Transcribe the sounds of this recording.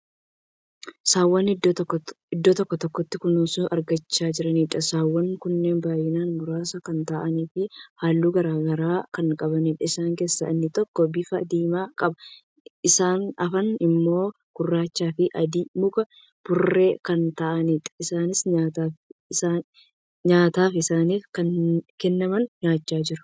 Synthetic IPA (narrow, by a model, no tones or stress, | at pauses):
saːwːɐn | ɪd̪ːot̪ɔkːɔt̪ɔkːɔt̪ːɪkʊnusʊʔɐɾɡɐt͡ʃːaːd͡ʒɪɾɐniːᶑɐsaːwːɐŋkʊnːe̞ːnbaːjɪnaːnmʊɾaːsɐkɐnt̪ɐʔɐniːfɪhaːlːuːɡɐɾaːɡɐɾaːkɐŋkʼɐbɐniːᶑɐɪsaːŋke̞ːsːɐ̰ɪnːɪt̪ɔkːɔbɪfɐd̪iːmaːkʼɐbɐ | ʔɪsaːnɐfɐnɪmːo̞ː | kʊrːaːt͡ʃːaːfɪʔɐd̪iːmʊkɐ | b̥ʊrːe̞ːkɐnt̪ɐʔɐniːᶑ̪ɐ̥ɪsaːnɪsɲaːt̪aːfa | ɲaːt̪aːfɪsaːniːfkɐnkɛnːɐmɐnɲaːt͡ʃːaːd͡ʒɪɾɐ̥